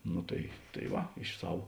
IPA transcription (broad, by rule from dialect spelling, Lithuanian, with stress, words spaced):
ˈnoː tɐɪ tɐɪ ˈʋɐ ɪʃ ˈsɐw